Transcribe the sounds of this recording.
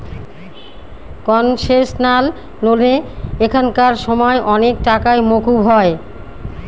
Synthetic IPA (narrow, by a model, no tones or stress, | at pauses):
kɔnʃeʃnal | noleekʰankaɾʃɔmɔeʔɔnek̚ʈakaemokubɦɔe